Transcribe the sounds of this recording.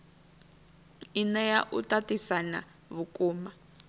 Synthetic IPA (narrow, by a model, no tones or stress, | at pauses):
inɛjaʔutatisana̰ | βukʼuːma